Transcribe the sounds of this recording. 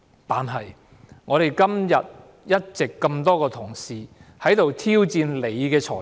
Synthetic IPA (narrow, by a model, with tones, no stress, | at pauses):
t̪aː˨nɦɐ˨˩j | ŋɔː˨˧ɾe˨˩jkɐ˥mjɐ˨t̚ | jɐ˥t̚t͡sɪ˨kːɐ˧mt̪ɔː˥kɔː˧t̪ʰʊ˨˩ŋsiː˨hɐ˨˥jt̪o˨wt̪ʰiː˥wt͡siː˧nle˨˧jkɛː˧t͡ʃʰɔ̰ː˨˩